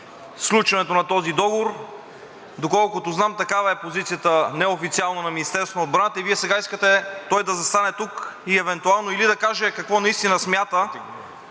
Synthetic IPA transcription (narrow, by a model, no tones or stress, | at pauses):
sklʲˠut͡ʃvɐnɛt̪onɐt̪ɔzid̪ɔɡovoɾ | d̪okɔlˠkʊt̪oznamt̪ɐkavɐɛpozit̪sijət̪ənɛofit̪sialˠnənɐminist̪ɛɾsvonoːd̪̚bɾant̪əiviɛsɛɡaiskət̪ɛt̪ɔjd̪ɐzɐst̪anɛt̪ukiɛvɛnt̪ualˠnoilid̪ɐkaʒɛkɐkvɔnɐist̪inəsmʲjat̪ə